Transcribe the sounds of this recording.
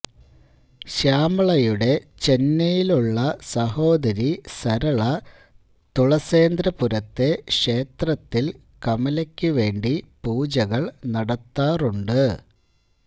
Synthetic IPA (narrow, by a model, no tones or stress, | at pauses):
ɕaːmɐɭɐjuɽe̞t͡ɕe̞nːɐjiluɭːɐsɐho̞ːd̪ɐɾisɐɾɐɭɐ | t̪uɭɐse̞ːnd̪ɾɐpuɾɐt̪ːe̞ʂe̞ːt̪rɐt̪ːil | kɐmɐlɐkʲːuʋe̞ːɳɖipuːd͡ʑɐɣɐɭnɐɽɐt̪ːaːruɳɖɨ